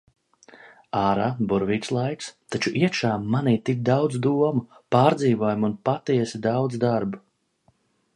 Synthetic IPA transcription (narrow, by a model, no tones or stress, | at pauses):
aːɾaːbuɾviːt̪slˠajkst̪at͡ʃuʔiɛkʃaːmːaniːt̪ik̚d̪awd̪zd̪uɔmupaːɾd̪ziːvuɔjumunpat̪iɛsid̪awd̪zd̪aɾbu